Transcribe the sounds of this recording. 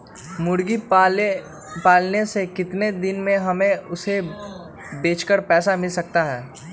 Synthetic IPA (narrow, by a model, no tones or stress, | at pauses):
mʊɽɡi | paːlnesekɪt̪ned̪ɪnmẽɦɐmẽʊse | beːt͡ʃkəɾpɛːsamɪlsɐk̚t̪aɦɛː